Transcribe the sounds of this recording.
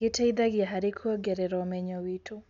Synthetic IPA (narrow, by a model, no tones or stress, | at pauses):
itaiðaɡijaɦaɾikʰuɔɡɛɾɛɾɔmɛɲɔwitu